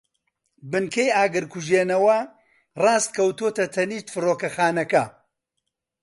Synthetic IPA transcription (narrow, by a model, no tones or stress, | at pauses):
bɨnkʰejaːɡɨɾkʰuʒeːnɐwɐ | rɑːst̪̚kʰɐwt̪ot̪ɐt̪ʰɐniːʃt̪fɨroːkɐxaːnɐkɐ